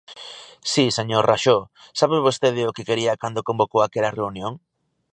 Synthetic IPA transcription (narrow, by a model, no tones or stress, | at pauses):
siseɲoɾraʃo | saβeβost̪eðɪʊkekeɾiɐkand̪okõmbokowakɛlɐreunjoŋ